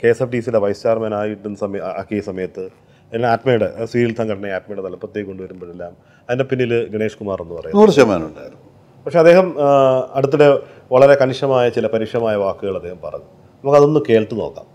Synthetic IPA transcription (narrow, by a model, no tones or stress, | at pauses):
ke̞ːsɐfɖiːsileʋɐjst͡ɕeːrmeːnaːjuʈːenːsɐmɐkːesɐmɐjɐt̪ːɨ | ɐaːʈmejɽesʋiːɾilsɐŋɡɐɽɐɳɐjaːʈmejɽet̪ɐlːɐpːrot̪ːjɐjko̞ɳɖuʋɐɾumboɽelːaːm | ɐðindepinːilɨɡiɳe̞ːʂkumaːre̞nːupɐrɐjuoːɽɐɕema̰ːnuɳɖa̰ːjiɾunː | pɐkʂe̞ɐd̪e̞ːɦɐmɐɽut̪ːuɽe̞ | ʋɐɭɐɾe̞kɐniʂɐmaːjɐt͡ɕilɐpɐɾiːkʂjɐmaːjɐʋaːkːɨɣɐɭɐd̪eːhɐmpɐrɐ̰ju | nɐmokːɐðo̞nːɨke̞ːɭʈːɨno̞ːkːa̰ːm